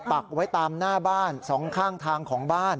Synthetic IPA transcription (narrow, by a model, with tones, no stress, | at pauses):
pa˨˩k̚wa˦˥jt̪aː˧mnaː˥˩baː˥˩nsɔː˩˦ŋkʰaː˥˩ŋt̪ʰaː˧ŋkʰɔː˩˦ŋbaː˥˩n